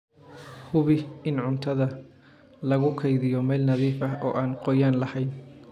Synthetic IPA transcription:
hʊβɪɪnʕʊnt̪ʰɐðɐ | lɐɣʊkʰɐjðɪjɔmɛːlnɐðiːfɐɦɔːʔaːnqɔjaːnlɐhɛjn

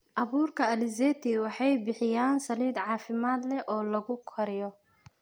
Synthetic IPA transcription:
ʔɑβuːrkʰɐɐlɪzɛːt̪ʰiwɑħɑjbɪħɪjaːnsɐliːd̪ʕɑːfɪmaːd̪lɛʔɔːlɐɣʊkʰɐɾɪjɔ

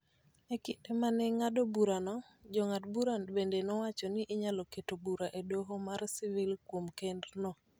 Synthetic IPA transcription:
ekɪtemanɛŋadobuɾanɔ | d͡ʒɔŋatbuɾanbendenɔwat͡ʃɔnɪʔːɲalɔketobuɾaʔedoɦomarsivilkwomkendnɔ

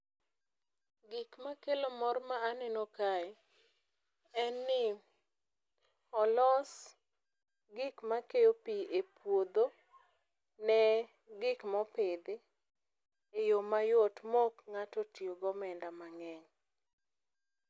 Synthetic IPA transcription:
ɡɪkmakelomɔrmaːnɛnokaɛ | ɛnːɪ | ɔlɔs | ɡɪkmakejopiʔepwod̪o | nɛ | ɡɪkmɔpɪd̪ɪ | ejomajotmɔkŋatotioɡɔmɛndamaŋɛɲ

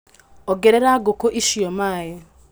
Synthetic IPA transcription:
ɔɡɛɾɛɾaɡokoʔiʃiɔmaːje

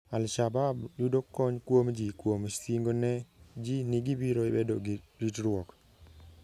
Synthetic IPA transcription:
alʃababjudokɔɲkwomd͡ʒikwomsiŋɡonɛd͡ʒinɪɡibiɾoɪbedoɾitɾʊɔk

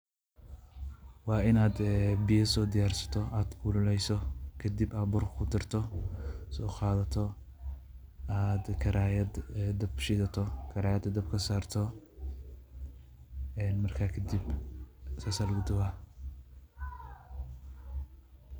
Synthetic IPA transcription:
wɑːɪnaːd̪ɛbɪjɐsɔːd̪ɪjaːrsɐ̥t̪ʰɔaːd̪kʰuːlʊlɛjsɔkʰɐd̪ibaːbɔrkʰkʰʊd̪ɪrt̪ʰɔsɔːqɑːðɐt̪ʰɔ | aːd̪kʰɐɾaːjɐd̪d̪ɐbʃɪðɐt̪ʰɔkʰɐɾaːjɐd̪ɐd̪ɐb̚kʰɐsaːrt̪ʰɔ | ɛːnmɐrkʰaːkʰɐd̪ib | sɐsɐlɡʊd̪ʊbɐ

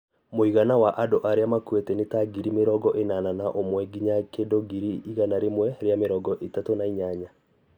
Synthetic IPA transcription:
moiɣanawaʔadoʔaɾeamakwɛtɛnetaɡiɾimeɾɔɡɔʔenananaʔomwɛɡiɲakedoɡiɾiiɣanaɾemwɛɾeameɾɔɡɔʔetatonaiɲaɲa

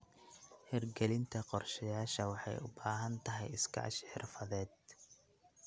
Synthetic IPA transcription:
hɪrɡɛlɪnt̪ʰɐqɔrʃɐjaːʃɐwɑħɑ̰jʊ̰baːɦɐnt̪ʰɐɦɛjɪskʰɐ̰ʕɑ̰ʃħɪrfɐðɛːd̪̚

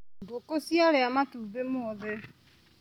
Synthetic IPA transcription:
dokosialɛamatubemʊɔðɛ

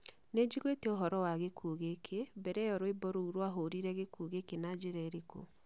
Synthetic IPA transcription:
ned͡ʒiɣweteoɦɔɾɔwaɣekʰuɣekʰebɛɾɛjɔɾoebɔɾouɾwaɦoɾiɾɛɣekuɣekenad͡ʒeɾɛɾeko̰

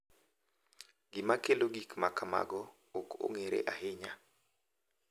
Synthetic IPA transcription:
ɡɪmakeloɡikmakama̰ɡɔ | oko̰ŋeɾḛʔaɦɪɲa

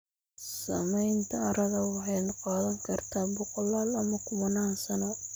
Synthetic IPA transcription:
sɐ̰mɛjnt̪ʰɐɐɾɐɣɐwɑħɑjnqɑːðɐŋkʰɐrt̪ʰaːbʊqɔlaːlɐmɐkʰʊmɐnaːnsɐnɔ

